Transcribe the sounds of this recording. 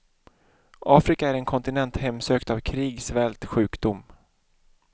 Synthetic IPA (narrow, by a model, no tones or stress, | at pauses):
ɑːfɾɪkaæɾɛnkʰɔnt̪ɪnɛnt̪hɛmːsøːkt̪avkʰɾiːɡsvɛlt̪ɧʉ̟ːkd̪ʊm